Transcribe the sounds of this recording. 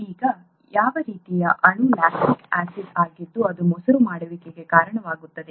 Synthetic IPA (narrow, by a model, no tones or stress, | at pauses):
iːɡɐ | jaːʋɐɾiːt̪ijɐʔɐɳulaːksikaːsiɖaːɡid̪ːuɐd̪umɔsɐɾumaːɽɐʋikeɡe̞kaːɾɐɳɐʋaːɡut̪ːɐd̪e